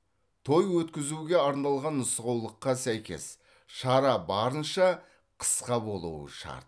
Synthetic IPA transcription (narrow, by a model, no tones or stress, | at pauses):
t̪ʰo̞jwɵt̪kʲɪzuɡʲe̞ɑɾnɑlˠʁɑnːʊsʁɑwlˠəqːɑsæjkʲe̞̰s | ʃɑɾɑbɑɾənʃɑ | qʰə̥sqɑbo̞lˠṵwə̰ʃɑ̰ɾt̪̚